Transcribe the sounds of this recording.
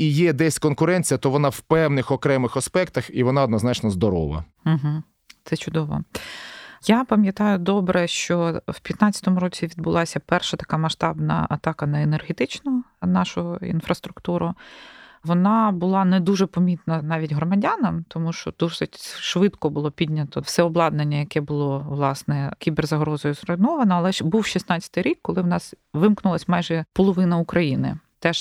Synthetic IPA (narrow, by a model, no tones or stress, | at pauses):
ijɛd̪ɛsʲkɔnkʊɾɛnʲt͡sʲijɐt̪ɔʋɔnawpɛwnɪxɔkɾɛmɪxɐspɛkt̪ɐxiʋɔnɑɔd̪nɔznɑt͡ʃnɔzd̪ɔɾɔ̰ʋɐ̰ | m̩ɦm̩ | t̪sɛt͡ʃʊd̪ɔʋɔ̰ | japɐmʲjɐt̪ɑjʊd̪ɔbɾɛʃt͡ʃɔw̥pʲjɐt̪nɑt͡sʲːɐt̪ɔmʊɾɔt͡sʲiʋʲid̪̚bʊlˠɑsʲɐpɛrʃɐt̪ɐ̥kamɐʃt̪ɑbnɐ̰ɐt̪ɑkɐnɐenɛrɦet̪ɪt͡ʃnɐnɑʃʊḭnfɾɐst̪ɾʊkt̪uɾʊ | ʋɔnɑbʊlˠɑnɛd̪uʒɛpɔmʲit̪nɐnɑʋʲitʲɦɾɔmɐdʲanɐmt̪ɔmuʃt͡ʃɔd̪̥usɪtʲʃʋɪt̪kɔbʊlˠɔpʲidʲnʲɐt̪ɔwsɛɔblˠɑd̪̚nenʲːɐjɐkɛbʊlˠɔʋlˠɑsnɛkʲibɛrzɐɦɾɔzɔjʊzɾɔnɔʋɐnɐɐlˠɛbuwʃisnɑt͡sʲːɐ̥t̪ɪjɾʲikːɔlˠɪwnɑsʋɪmknʊlˠɐsʲmɑjʒɛpɔlˠɔʋɪnɐʊkɾɐjinɪ̰t̪ɛʃ